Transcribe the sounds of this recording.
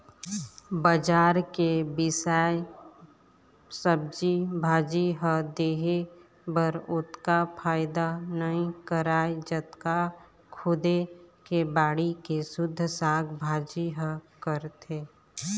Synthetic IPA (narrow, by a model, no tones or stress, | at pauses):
bəd͡ʒaːɾkebɪsaːj | səb̚d͡ʒibʱaːd͡ʒiɦəd̪eːɦe | bəɾʊt̪kapʰaːɪd̪anəɦĩkəɾaːed͡ʒət̪ka | kʰʊd̪ekebaːɽikesʊd̪ʱːsaːɡbʱaːd͡ʒiɦəkəɾt̪ʰeː